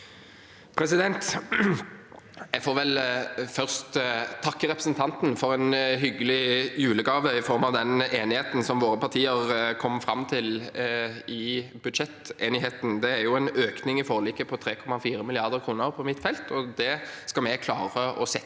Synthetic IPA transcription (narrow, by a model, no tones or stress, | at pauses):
pʰɾɛs̬ɪd̪ɛnt̪ | jɛfoːɾʋɛlfœʁst̪t̪ʰɑkːəʁɛpɾəsənt̪ʰɑnt̪n̩fɔɾɛnɦʏɡəlɪjʉːləɡɑːʋəɪfɔɾmɑʋd̪ɛneːnɪheːt̪n̩sɔmʋoːɾəpʰɑʁt̪ʰiːəɾkʰɔmːfɾɑmːt̪ʰɪl | ɪbʉd̪ʃɛt̪eːnɪɦeːt̪n̩d̪ɛæɾjʊɛnøːknɪŋɪfoːliːkəpʰɔt̪ʰɾeːkʰɔmɑfiːɾəmɪlɪɑʁd̪əʁɾkʰɾuːnəɾpʰɔmɪt̪ːfɛlt̪ʰɔd̪ɛskɑmɛɡkʰlɑːʁəʔɔsɛ